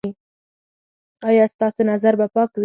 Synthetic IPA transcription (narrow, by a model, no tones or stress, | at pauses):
i | ɑjɑst̪ɑsonazaɾbapɑkwi